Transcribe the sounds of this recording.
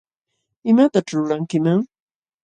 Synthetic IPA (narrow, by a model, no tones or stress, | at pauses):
ɪmat̪aʈ͡ʂʊlaŋkɪmaŋ